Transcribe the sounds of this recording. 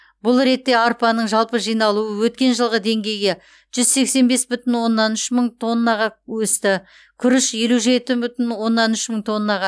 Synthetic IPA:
bʊlˠɾe̞t̪ːe̞ɑɾpɑnəɴʒɑlˠpəʒijnɑlˠuəwɵt̪̚kʲe̞nʒəlˠʁəd̪e̞ŋɡʲe̞jɡʲe | ʒ̥ʏzse̞kse̞nbe̞sbʏt̪ɪnwo̞nːɑnʏʃməɴt̪ʰo̞nːɑʁɑwɵst̪ɪ | kʲʰʏɾɪʃje̞luʒe̞t̪ɪbʏt̪ɪnwo̞nːɑnʏʃməɴt̪ʰo̞nːɑʁɑ

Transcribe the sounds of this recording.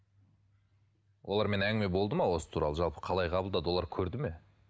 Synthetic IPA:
wʔo̞lˠɑɾme̞næŋɡɪme̞bo̞lˠd̪əmɑwo̞sə̥t̪ʰuɾɑ̰lˠəʒɑlˠpə̥qʰɑlˠɑjqʰɑbəlˠd̪ɑd̪əwo̞lˠɑɾkʲʰɵɾd̪ɪme̞

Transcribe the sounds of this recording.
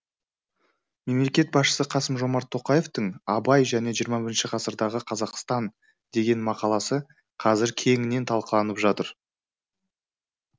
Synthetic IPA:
me̞mle̞kʲe̞t̪̚bɑsʃə̥səqʰɑsəmʒo̞mɑɾt̪ʰːo̞qɑje̞ft̪əɴɑbɑjʒæne̞ʒijəɾmɑbɪɾɪnʃɪqʰɑsəɾd̪ɑʁəqʰɑzɑqst̪ɑn | d̪e̞ɡʲe̞nmɑqɑlˠɑsə | qʰɑzɪɾkʲʰe̞ŋɪne̞nt̪ʰɑlˠqəlˠɑnəpʒɑt̪əɾ

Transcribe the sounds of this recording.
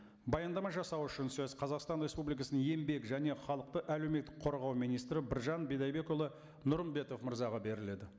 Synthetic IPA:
bɑjɑnd̪ɑmɑʒɑsɑwʏʃɪnsɵzqʰɑzɑqst̪ɑnɾʲe̞spublijkɑsənəne̞mbe̞kʒæne̞χɑlˠəq̚t̪əʔælewme̞t̪ːɪk̚qʰo̞ɾʁɑwmijnijst̪ɾɪbɪɾʒɑnbed̪ɑjbe̞kolˠə | nʊɾənbe̞t̪o̞fməɾzɑʁɑbe̞ɾɪle̞d̪ɪ

